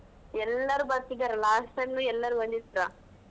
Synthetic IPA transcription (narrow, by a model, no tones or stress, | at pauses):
ɛlːɐɾuːbɐt̪ːiɡɐɾɐlaːsʈɐnnuɛlːɐɾuond̪it̪ːɾa